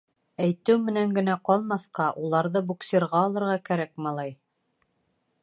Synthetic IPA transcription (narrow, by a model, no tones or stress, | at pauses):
æjt̪ɘwmɘ̆næŋɡɘ̆næqɒlˠmɑθqɑʔulˠɑɾðɤbuksʲeɾʁɑɒlˠɤ̆ɾʁɑkæɾæk̚mɑlˠɑj